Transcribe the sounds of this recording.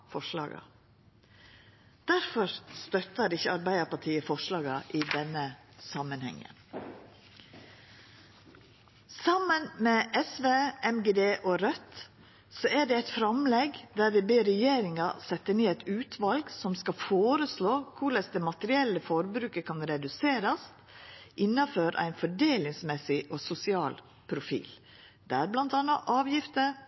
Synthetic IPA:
fɔʂlɑ̰ːɡɑ̰ | d̪̥æɾfɔɾst̪œt̪əɖɪçəɑɾbæɪd̪əɾpɑʈʰiːəfɔʂlɑːɡɑʔɪd̪ɛnːə | sɑmənhɛ̰ŋːə̰ | sɑmənmeʔɛsʋeːɛmɡeːd̪eːʔɔɾœt̪ | sɔæɖɛæɪt̪fɾɑmlɛɡd̪æːɾʋɪbeːɾɛjeːɾɪŋɑsɛt̪ːəneːæɪt̪ʉːt̪ʰʋɑlɡsɔmskɑfoːɾəsloːkʰʊɭɛsd̪ɛmɑt̪əɾɪɛlːəfɔɾbɾʉːkəkʰɑnɾɛd̪ʉseːɾɑst̪ | ʔɪnːɑføːɾʔæ̰ɪnfɔɖeːlɪŋsmɛsɪʔosʊsɪɑːl | pʰɾʊfḭːl | d̪̥ɛæɾblɑnt̪ɑnɑʔɑːʋjɪft̪əɾ

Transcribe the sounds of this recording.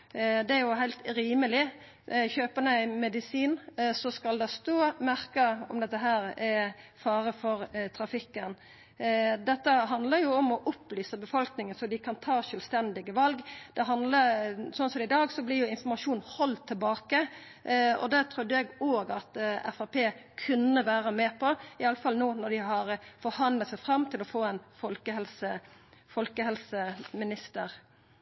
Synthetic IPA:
d̪ɛæɾjʊɦæɪlt̪ɾiːməlɪ | çøːpənəɪmɛd̪ɪsiːnsɔskɑld̪ɛst̪oːmæɾkəɔmd̪ɛt̪ːəɦæːɾɛfɑːɾəfɔɾt̪ʰɾɑfɪkːən | d̪ɛt̪ːəɦɑnd̪ləɾjʊɔmɔʔʊplyːsəbəfɔlknɪŋənsɔd̪ɪkʰɑnt̪ʰɑːʃœːlst̪ɛnd̪ɪɡəʋɑlɡd̪̥ɛɦɑnd̪ləsɔnsɔmɪd̪ɑːɡsɔblɪɾjʊɪnfɔmɑʂuːnhɔlt̪ʰːɪlbɑːkə | ɔ̰d̪ɛt̪ʰɾʉd̪ːəjɛɡoːɡɑt̪ɛ̰fɑpeːkʰʉnːəʋæːɾəmeːpʰɔɪɑləfɑlnoːnɔd̪ɪɦɑɾfɔɾhɑnlət̪sɛɪfɾɑmt̪ʰɪlɔfoːɛnfɔlkəhɛlsə | fɔlkəhɛlsəmɪnɪst̪əɾ

